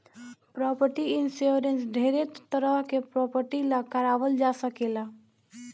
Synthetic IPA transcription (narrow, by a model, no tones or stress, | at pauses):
pɾɔpəɾʈiinsoɾensɖʱeɾet̪t̪ːəɾəɦkepɾɔpəɾʈilakəɾaʋəld͡ʒasəkela